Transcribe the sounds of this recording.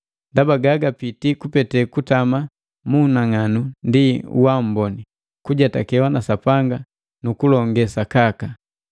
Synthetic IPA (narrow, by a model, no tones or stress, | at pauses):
ndabaɡaɡapitikupɛtɛkutama | munaŋanundiṵwam̩bɔni | kuɟatakɛwanasapaŋɡa | nukulɔŋɡɛsakaka